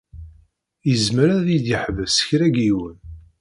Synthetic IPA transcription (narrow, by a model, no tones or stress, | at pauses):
jəzməɾæðid̪iħvəsə̥çɾæɡiwən